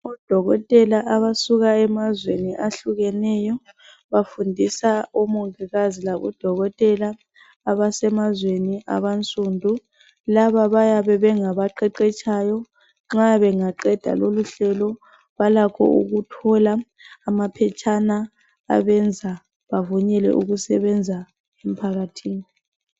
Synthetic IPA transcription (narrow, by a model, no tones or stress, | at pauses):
ɔd̥ʱɔɣɔtʼɛlaʔaβasuɣaɛmazweniʔaɬuɣɛnɛjɔ | βafundʱisaumuiɣazilaβɔ̰d̥ʱɔɣɔtʼɛlaː | βasɛmazweniʔa̰βant͡sʼuːndʱu | laβaβajaβɛβɛŋaβaǃɛǃɛt͡ʃʰʼajɔ | ŋ͡ǁaβɛŋaǃɛd̥ʱa̰loluɬɛlɔ | βalakʰɔ̰ʔṵɣutʰɔlaː | mapʰɛt͡ʃʰʼana̰ː | βɛnd͡zʱa | βavuɲɛlɛ̰ʔuɣusɛβɛnd͡zʱa | em̩pʰaɣatʰiːni